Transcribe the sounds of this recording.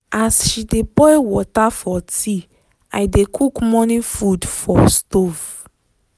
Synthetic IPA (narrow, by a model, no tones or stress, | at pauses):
asʃidebɔjwɔtafɔtʰi | a̰jdekʰukmɔnifudfɔstov